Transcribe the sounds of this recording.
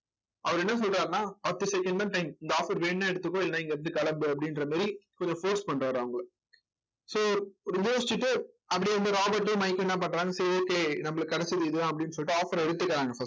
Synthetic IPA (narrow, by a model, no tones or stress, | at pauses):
ʔɐʋɐɾɛnːɐs̬ɔlɾaːɾnaːpɐt̪ːɯsɛkːɐɳɖd̪ãːʈɐɪmɪnd̪ɐaːfɐɾʋeːɳːãːɛɽɯt̪ːɯkːõɪlːnaːɪŋɡɐɾɐnd̪ɯkɐɭɐmbɯɐp̬ːɐɽɪnɾɐmaːɾikɔɲd͡ʒɔ̃foːʈspɐɳɾaːɾɐʋɐŋɡɐɭ | soːɾjoːsɪt͡ʃːɯʈːɯ | ɐpːɐɽiɾɐnd̪ɯɾaːbɐʈ̬ːemɐɪkːɛnːaːp̬ɐɳːɾaːŋɡɐsɐɾoːkːeːnɐmːɐɭɐkɐɽɛt͡ʃːɐðɯɪðɯãːɐpːɐɽɪnːɯsɔlːʈːɯaːfɐɾɛɽɯt̪ːɯkːɐɾãːŋɡɐfɐs